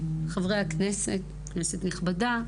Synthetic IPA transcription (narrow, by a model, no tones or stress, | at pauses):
χavʁejakneset | kneset̪niχbada